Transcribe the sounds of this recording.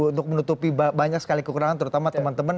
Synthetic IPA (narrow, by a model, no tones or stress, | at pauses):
unt̪ʊk̚mənut̪upibbaɲaksə̥kalikəkuɾaŋant̪əɾut̪amat̪əmant̪əman